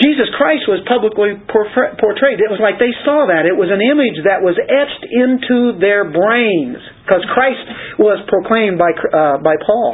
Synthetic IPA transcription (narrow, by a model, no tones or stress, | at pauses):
d̥ʒ̥izɨskʰɹ̥aɪst̚wʌz̥pʰʌbləklipʰɔpʰɔɹtʰɹ̥eɪɾɨt̚wʌzlaɪk̚ðeɪsɔðɨɾɨt̚wʌzɨ̃nɪ̃mɨd͡ʒðɨʔ̚wʌzɛt͡ʃtɪ̃ntʰuðə˞bɹẽɪ̃nz̥ | kʰʌz̥kʰɹ̥aɪst̚wʌz̥pʰɹ̥oʊkʰl̥ẽɪ̃mbaɪkʰbaɪpʰɔlˠ